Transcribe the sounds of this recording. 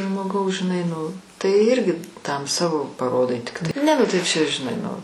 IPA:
ʒmoːˈɡɐʊs ʒʲɪˈnɐɪ nʊ tɐɪ ˈɪrʲɡʲɪ tɐm ˈsɑːʋoː pɐˈroːdɐɪ ˈtʲɪktɐɪ ˈnʲɛ ˈnʊ tɐɪ ˈt͡ʃʲɛ ʒʲɪˈnɐɪ nʊ

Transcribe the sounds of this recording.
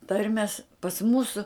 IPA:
ˈtɐrʲmʲɛs pɐs ˈmuːsʊ

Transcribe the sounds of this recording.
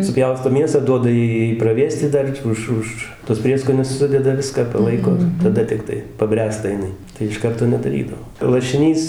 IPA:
sʊˈpʲjɛʊstoː ˈmʲiɛsɑː ˈduɔdɐ ˈjɛɪ ˈjɛɪ prɐˈʋʲeːsʲtʲɪ ˈdɐr ˈʊʃ ˈʊʃ tuɔs ˈpʲrʲiɛskoːnʲʊs ˈsʊdʲɛdɐ ˈʋʲɪskɑː pɐˈlˠɐɪkoː ɪr tɐˈdɐ tʲɪkˈtɐɪ pɐˈbʲrʲæːstɐ jɪˈnɐɪ tɐɪ ɪʃ ˈkɐrtoː nʲɛdɐˈrʲiːdɐʋoː lˠɐʃʲɪˈnʲiːs

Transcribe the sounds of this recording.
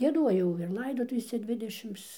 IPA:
ɡʲiɛˈduɔjɛʊ ɪr ˈlˠɐɪdoːtʊʋʲeːsʲɛ ˈdʲʋʲɪdʲɛʃʲɪms

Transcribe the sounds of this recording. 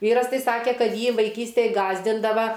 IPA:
ˈʋʲiːrɐs ˈtɐɪ ˈsɑːkʲeː ˈkɐt ˈjiː ʋɐɪˈkʲiːsʲtʲeːj ˈɡɑːzʲdʲɪndɐʋɐ

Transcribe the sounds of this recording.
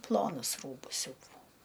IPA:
ˈplˠoːnʊs ˈruːbʊs ˈsʲuːdɐʋɐʊ

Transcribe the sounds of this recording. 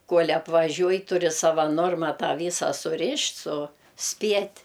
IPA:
ˈkoːlʲ ɐpʋɐˈʒʲuɔj tʊˈrʲɪ ˈsɑːʋɐ ˈnoːrmɐ ˈtɑː ˈʋʲiːsɐ sʊˈrʲɪʃʲtʲ sʊˈsʲpʲiɛtʲ

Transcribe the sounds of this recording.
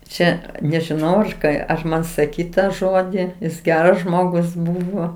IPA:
ˈt͡ʃʲɛ nʲɛʒʲɪˈnɐʊ ɐʃ ˈkɑː ɐr ˈmɐn sɐˈkʲiːt ˈtɑː ˈʒoːdʲiː jɪs ˈɡʲæːrɐs ˈʒmoːɡʊs ˈbuːʋoː

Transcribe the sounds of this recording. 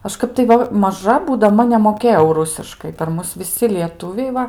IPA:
ˈɐʃ ˈkɐp tɐɪ ˈʋɐ mɐˈʒɐ buːdɐˈmɐ nʲɛmoːˈkʲeːjɛʊ ˈrʊsʲɪʃkɐɪ pʲɛr ˈmʊs ʋʲɪˈsʲɪ lʲiɛˈtʊʋʲɛɪ ˈʋɐ

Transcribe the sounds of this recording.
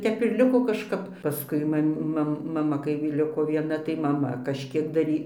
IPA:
ˈtʲɛp ɪr ˈlʲɪkoː kɐʃˈkɐp pɐˈskʊɪ ˈmɐmʲ ˈmɐm mɐˈmɐ kɐɪ ˈlʲɪkoː ʋʲiɛˈnɐ tɐɪ mɐˈmɐ kɐʃʲˈkʲiɛk dɐˈrʲiː

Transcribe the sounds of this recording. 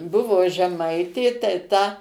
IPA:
ˈbʊʋoː ʒʲɛˈmɐɪtʲeː tɐɪ ˈtɐ

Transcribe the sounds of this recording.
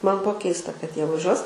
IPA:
ˈmɐn ˈbuɔ ˈkʲɛɪstɐ kɐt ˈjiɛ ʋɐˈʒʲuɔs

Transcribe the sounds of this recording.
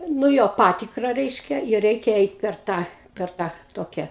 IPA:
nʊ ˈjoː ˈpɑːtʲɪkrɐ ˈrʲɛɪʃʲkʲɛ ɪr ˈrʲɛɪkʲɛ ˈɛɪt pʲɛr ˈtɑː pʲɛr ˈtɑː ˈtoːkʲɛ

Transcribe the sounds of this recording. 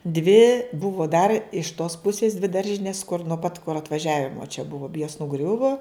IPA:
dʲʋʲɪ ˈbʊʋoː dɐr ɪʃ toːs ˈpʊsʲeːs dʲʋʲɪ ˈdɐrʲʒʲɪnʲeːs kʊr nuɔ pɐt kʊr ɐtʋɐˈʒʲæːʋʲɪmoː t͡ʃʲɛ ˈbʊʋoː joːs nʊˈɡrʲʊʋoː

